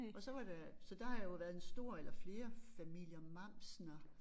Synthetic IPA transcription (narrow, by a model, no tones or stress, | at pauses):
ɒ̽sɒ̽ʋɑ̈ɾ̥æsɒ̽d̥ɑ̈hɑ̈jo̝ʋæːɐð̩ˠensd̥o̝ɐ̰elɐfle̝ːɐfæmil̰jɐmɑ̈m̰snɐ